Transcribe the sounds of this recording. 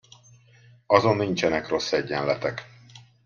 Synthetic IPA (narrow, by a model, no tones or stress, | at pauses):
ɒzo̞nːiɲt͡ʃɛnɛkro̞sːɛɟːɛnlɛt̪ɛk